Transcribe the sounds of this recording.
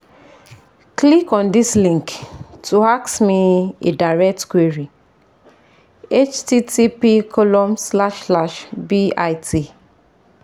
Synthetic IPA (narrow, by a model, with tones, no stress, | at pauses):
kli˦kɔ̃˨ndi˦slĩ˦ŋktu˨a˦ksmi˦ḛ˨da˨ɹɛ˦k̚tkwi˦ɹi˨ | e˦t͡ʃti˦tʰi˦pi˦kʰɔ˦lɔ̃˦msla˦ʃslaʃbi˦ajtʰi˨